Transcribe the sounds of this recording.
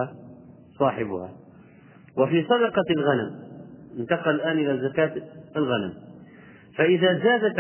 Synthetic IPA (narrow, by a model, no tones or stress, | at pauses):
a | sˤɑːħɪbʊha̰ | wɪfiːsˤɑd̪ɑqɑlɣanamʔɪnt̪ɑqɑllʔaːnʔɪlazːakaːt̪ɪlɣanam | faʔɪðaːzaːd̪at̪